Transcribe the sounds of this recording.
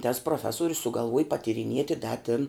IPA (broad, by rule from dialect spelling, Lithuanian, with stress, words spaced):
tɐs pruɔˈfʲæːsoːrʲʊs sʊɡɐlˠˈʋuɔj pɐtʲiːrʲɪˈnʲiɛtʲɪ dɐ tʲɪn